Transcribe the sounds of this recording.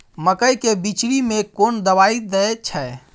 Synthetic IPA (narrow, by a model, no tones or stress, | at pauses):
məkəjkebit͡ʃɽimekond̪əβaid̪əet͡ʃʰɛ